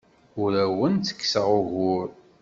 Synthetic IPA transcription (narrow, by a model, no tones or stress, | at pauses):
ʊɾæwənt͡s̪ə̥kːsəʁʊɣʊɾ